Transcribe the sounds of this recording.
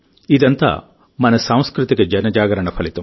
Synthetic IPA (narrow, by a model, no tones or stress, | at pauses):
id̪ɐnt̪ɐ̰ | mɐnɐsaːw̃skɾut̪iɡed͡ʒɐnɐd͡ʒaːɡɐɾɐɳɐpʰɐlit̪um